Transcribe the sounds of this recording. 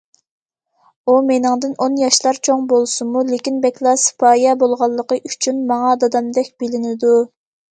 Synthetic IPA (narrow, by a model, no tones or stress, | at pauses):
umenɪŋd̪ɨnonjɑʃlˠɑɾt͡ʃʰoŋbolˠsɨmulekʲinbɛkʲlˠɑspʰɑːjɛbolˠʁɑlˠːəqəʔyt͡ʃʰynmɑŋɑd̪ɑd̪ɑmd̪ɛk̚ʲb̥ɪlɪnɪd̪u